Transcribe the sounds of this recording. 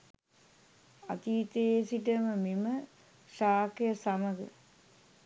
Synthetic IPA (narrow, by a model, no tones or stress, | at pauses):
at̪iːt̪esiʈəməmimə | ʃaːkejəsaməɡə̰